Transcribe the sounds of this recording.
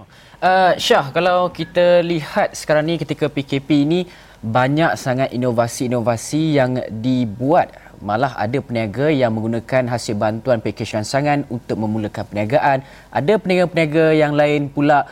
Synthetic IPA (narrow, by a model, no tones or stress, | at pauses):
ʔəʃahkalawkit̪alihat̪̚sə̥kaɾaŋnĩkət̪ikapikepiːni | baɲak̚saŋat̪̚inovasiːnovasijaŋdibuat̪̚ | malaɦa̰dapəniaɡajaŋmə̃ŋɡunãkanɦasɪlbant̪uanpekeʃansaŋanunt̪ʊk̚mə̃muləkanpəniaɡaʔan | ʔa̰dapənjaɡapəniaɡajaŋlaɪnpula